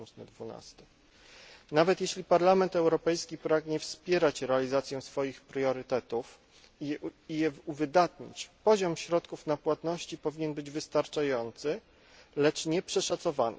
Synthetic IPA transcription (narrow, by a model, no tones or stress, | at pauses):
usnɘ̰d̪vuna̰st̪ɛ | navɛt̪jeɕlʲipaɾlamɛnt̪ɛwɾɔpɛjskʲipɾaɡɲɛfspʲjɛɾat͡ɕɾɛalʲizat̪sʲjɛ̃sfɔjixpɾjɔɾɘt̪ɛt̪uf | ijɛvuvɘd̪at̪ɲḭt͡ɕpɔʑɔmɕɾɔt̪kufnapwat̪nɔɕt͡ɕipɔvʲiɲɛnbɘd͡ʑvɘst̪aɾt͡ʂajɔnt̪sɘ | lɛt͡ʂɲɛpʂɛʂat̪sɔvanɘ̰